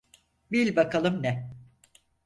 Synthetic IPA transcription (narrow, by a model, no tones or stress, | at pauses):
bilʲbakʰalˠɯmnɛ